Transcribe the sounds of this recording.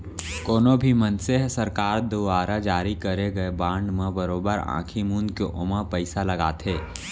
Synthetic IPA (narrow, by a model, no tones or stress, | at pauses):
koːnobʱimənseɦsɐɾkaːɾd̪uʋaːɾad͡ʒaːɾikɐɾeɡɐebãːɳɖmẽbəɾoːbəɾã̰ːkʰimũːnkeʔʊmapəɪsalɐɡaːt̪ʰɦeː